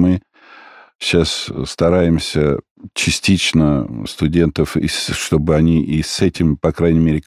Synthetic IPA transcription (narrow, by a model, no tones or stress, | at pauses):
mɨ | ɕːasst̪ɐɾajɪmsʲə | t͡ɕɪsʲtʲit͡ɕnəst̪ʊdʲe̞nt̪əfɪ̰ʂt̪o̞bɨɐnʲiʔisɛtʲɪmpɐkɾajnʲɪmʲeɾʲɪɪ